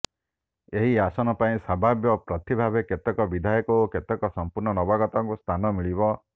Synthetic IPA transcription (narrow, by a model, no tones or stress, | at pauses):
eɦiasɔnɔpaĩsabʱabjɔpɾɔt̪ibʱabeket̪ɔkɔbid̪ʱajɔkɔoket̪ɔkɔsɔmpuɾnɔnɔbaɡɔt̪ɔŋkust̪ʰanɔmiɭibɔ